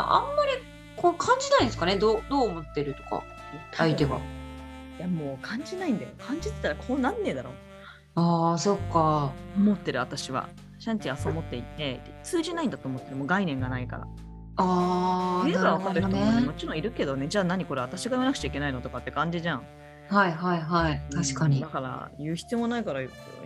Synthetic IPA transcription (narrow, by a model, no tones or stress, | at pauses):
ja̰ʔãmːaɾʲi | kokʰãɲ̟d͡ʑinaĩd̪esɨ̥kaned̪oːd̪oːmo̞t̪ːe̞ɾɯ̟t̪o̞̥ka̰ | ait̪e̞βa̰ | jamo̞ːkʰãɲ̟d͡ʑinaĩnd̪ajo̰kʰãɲ̟d͡ʑit̪e̥t̪ːaɾakʰo̞ːnãnːe̞d̪aɾo̞̰ː | aːso̞kːaomo̞t̪ːe̞ɾɯ̟at̪aɕiβa̰ | ɕãɲ̟t͡ɕiasomo̞t̪ːe̞it̪ːe̞d̪et͡sɨːʑinaĩnd̪at̪o̞ːmo̞t̪ːe̞ɾɯ̟mo̞ːɡainẽ̞ŋɡanaika̰ɾa̰ | a | easoːd̪esemo̞t͡ɕiɾõ̞iɾɯ̟ke̞d̪o̞ne̞d͡ʑaːnaɲ̟iko̞ɾe̞at̪aɕiɡajiβanakɯ̟t͡ɕaikʲe̞nainot̪o̞kat̪ːe̞kãɲ̟d͡ʑiʑãŋ̃ | haiɦaiɦait̪aɕi̥kaɲid̪akaɾa̰jɯ̟ːçi̥t͡sɨjo̞monaikaɾajko̰